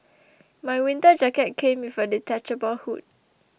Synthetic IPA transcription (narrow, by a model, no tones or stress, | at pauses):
majwĩntəd͡ʒakɛt̚kʰẽmifɔditat͡ʃəbɔlhut̚